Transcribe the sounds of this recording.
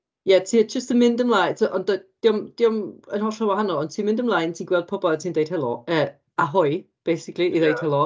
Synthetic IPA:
jɛtʰiːd͡ʒəstəmɪndəmlˠajtʰʔɔndəd̥iɔmd̥iɔmənhɔɬɔwahanɔlˠɔntʰiːnmɪ̃ndəmlˠaːjntʰiːnɡwɛlˠd̚pʰʊbɔlˠtʰiːndejd̥hɛlˠɔ̰əː | aɦʊj | b̥ejsɪkʰlˠiʔiðejd̥hɛlˠɔ

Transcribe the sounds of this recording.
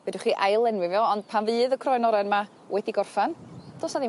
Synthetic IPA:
vɛdʊχiːʔajlˠɛnwɪvjɔɔnd̥̚pʰanvɨːðəkʰrɔjnɔɾɛnma | wʔɛdiɡɔrfand̥oːsnadi

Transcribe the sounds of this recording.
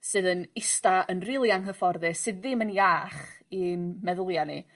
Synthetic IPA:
sɨːðənɪstaʔənrilˠiaŋɦəfɔrðɨsɨððɪmənjaːχinmɛðʊlˠjani

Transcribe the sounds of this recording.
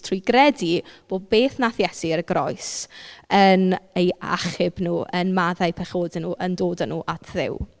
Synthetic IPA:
tʰrʊjɡrɛdib̥oːd̚beːθnaθjɛsiəɾəɡɾɔ̰jsəneja̰χɪbnuːʔənmaðajpʰɛχoːdɛnuːʔəndoːdanuːʔatʰðɪ̰w

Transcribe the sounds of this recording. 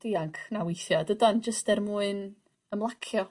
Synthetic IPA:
d̥iːaŋkʰnawɪjθjɔdədand͡ʒəstɛrmuːɨn | əmlˠakʰjɔ

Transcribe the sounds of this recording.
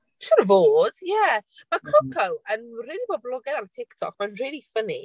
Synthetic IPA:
ʃənəvoːd̥jɛmakʰʊkʰawənriːlˠibɔblˠɔɡɛðanətʰɪktʰɔ̰k̚manriːlˠifəni

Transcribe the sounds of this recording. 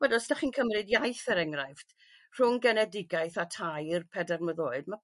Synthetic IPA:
wɛdɔsdaχiːnkʰəmrɨdjajθəɾɛŋrajfd̥ | r̥ʊŋɡɛnɛdɪɡajθatʰajirpʰɛdɛrməðoːɨdma

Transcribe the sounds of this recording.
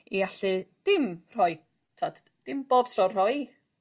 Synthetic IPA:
iaɬɨd̥ɪmr̥ɔj | tʰad | d̥ɪmb̥oːb̥tʰrɔrɔj

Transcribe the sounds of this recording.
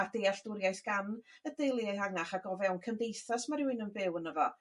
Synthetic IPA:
ad̥eaɬd̥ʊɾjajθɡ̥anədejlˠiejhaɡnaχaɡɔvɛwnkʰəndejθasmaɾɪwɪnənbɪwənəvɔ

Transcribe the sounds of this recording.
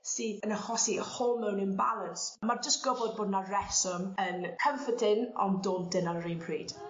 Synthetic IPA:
siːðənəχɔsiəhoːlˠmɛwnɪnbalˠənsmard͡ʒəstɡ̥ɔbɔd̚boːdnarɛsɔmənkʰəɱfətʰɪnɔ̰ndoːndɪnanrejnpʰriːd̥

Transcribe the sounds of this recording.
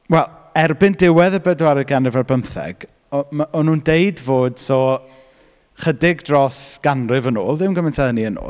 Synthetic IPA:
wɛlˠ | ɛrbɪndɪwɛðəbədwaɾɨɡanrɨvarbəmθɛ̰ɡ̥ | ɔmaʔɔnuːndejdvoːd̥sɔ | χədɪɡdrɔsɡ̥anrɨvəno̰ːlˠðɪmɡəmɛntʰɛðəniəno̰ː

